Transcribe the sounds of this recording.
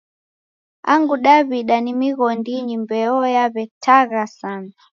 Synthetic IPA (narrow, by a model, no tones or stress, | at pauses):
a̰ŋɡuɗaβiɗanimiɣɔndiɲimbɛɔjaβɛtʰaɣasan